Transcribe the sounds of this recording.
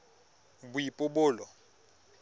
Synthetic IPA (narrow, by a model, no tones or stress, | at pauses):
bujipʼʊɓʊːlɔ